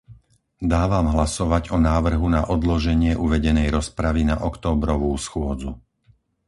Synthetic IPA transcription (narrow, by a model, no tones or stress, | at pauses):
d̪aːʋamɦlasɔʋaɟɔnaːʋr̩ɦunaʔɔd̪lɔʒɛɲɪɛʔuʋɛɟɛnɛjɾɔspɾaʋinaʔɔkt̪ɔːbɾɔʋuːsxʊɔd͡zṵ